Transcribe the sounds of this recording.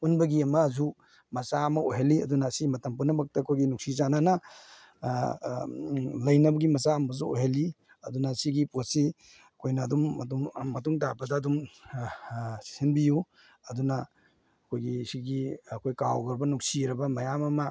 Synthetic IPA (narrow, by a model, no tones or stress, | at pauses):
unbɐɡiɐmɐzu | mɐsaɐmɐoɦeliɐd̪unɐːsimɐtɐmpunːɐmɐk̚tɐɐkʰojɡinuk̚sizananɐ | lɐjnɐbɐɡimɐsaɐmɐzuoɦeli | ɐ̰dunɐsiɡipot̚si | ɐkʰojnɐːdumːtumɐtuŋtabɐdɐːdum | sinbiju | ɐdunɐ | ɐkʰojɡisiɡiɐkʰojkawɡɐɾbɐnuksiɾɐbɐmɐjamɐmɐ